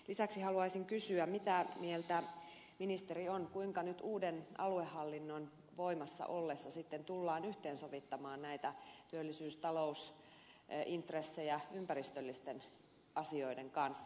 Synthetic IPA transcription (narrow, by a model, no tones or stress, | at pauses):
lisæksihɑluɑisiŋkysyæmit̪æmielt̪æ | minist̪eɾionkuiŋkɑnyt̪uːdenɑ̰luehːɑlːinːon | ʋoimɑsːɑ̰ʔolːesːɑsit̪ːent̪ulːɑːnyht̪eːnsoʋit̪ːɑmɑːnnæit̪æt̪yølːisyːst̪ɑlous | ʔint̪resːejɑympærist̪ølːist̪en | ɑsioideŋkɑnsː